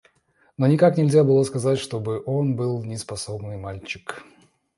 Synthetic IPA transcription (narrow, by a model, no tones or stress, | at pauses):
nonʲɪkaknʲɪlʲzʲabɨlˠoskɐzatʲʂt̪o̞bɨʔo̞nbɨlˠnʲɪspɐsobnɨjmalʲt͡ɕɪ̥k